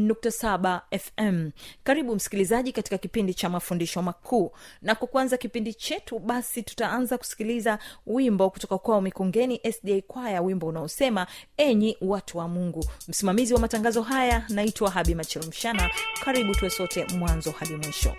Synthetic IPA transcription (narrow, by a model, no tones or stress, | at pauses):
nuk̚tasaɓaɛfɛmkaɾiɓum̩si̥kilizaʄikati̥kakipindit͡ʃamafundiʃɔmakʰuːnakwakuanzakipindit͡ʃɛtuɓasitu̥taanzaku̥si̥kilizawimbɔkutɔkakwaɔmikɔŋɡɛniʔɛsɗiɛkwajawimbɔunaɔsɛmaɛɲiwatʰuwamuŋɡum̩simamiziwamataŋɡazɔɦajanaitwaɦaɓimat͡ʃɛlɔm̩ʃanakaɾiɓutuwɛsɔtɛmwanzɔhaɗimwiʃɔ̰